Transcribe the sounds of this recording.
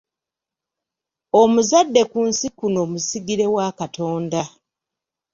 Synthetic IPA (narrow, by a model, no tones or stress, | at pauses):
omuzadːe̞kuːnsikuno̞ːmusiɡiɾe̞wakato̞ːnda